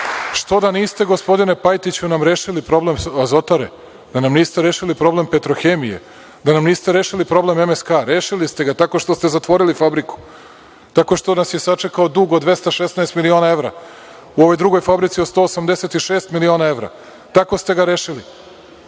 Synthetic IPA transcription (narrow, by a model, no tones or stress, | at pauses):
ʃt̪o̞d̪aniːst̪eɡo̞spo̞d̪ine̞pajt̪it͡ɕunamɾe̞ːʃilipɾo̞ble̞mazo̞t̪aɾe | d̪̥anamniːst̪eɾeːʃilipɾo̞blempe̞t̪ɾo̞xe̞ːmijḛ | d̪anamniːst̪e̞ɾe̞ːʃilipɾo̞ble̞memeskaːɾeːʃilist̪e̞ɡat̪ako̞ʃt̪o̞st̪e̞zat̪ʋo̞ɾilifabɾiku̥ | t̪ako̞ʃt̪onasje̞sat͡ʂe̞kaod̪uɡod̪ʋe̞st̪aʃesnaest̪milio̞nae̞ʋɾa̰ | uo̞ʋo̞jd̪ɾuɡo̞jfabɾit̪siot̪st̪o̞ːsamd̪eset̪iʃe̞ːst̪milio̞ːnae̞ʋɾa̰ | t̪ako̞st̪e̞ɡaɾeːʃili